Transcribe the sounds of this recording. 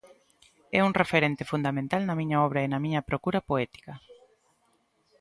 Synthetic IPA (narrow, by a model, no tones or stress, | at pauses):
ɛuŋrefeɾent̪efund̪amẽnt̪alnɐmĩɲaɔβɾɐenɐmĩɲɐpɾokuɾɐpoɛt̪i̥kɐ